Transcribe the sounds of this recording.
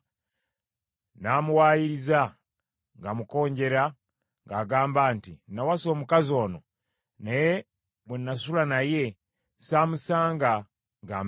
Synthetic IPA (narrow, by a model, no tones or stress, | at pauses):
namuwaːjiɾiza | ŋɡamuko̞ːɲɟe̞ɾa | ŋɡaːɡaːmbaːntinawaso̞ːmukazo̞ːno | neje | βwenːas̬ulanaje̞ | saːmusaːŋɡa | ŋɡaːm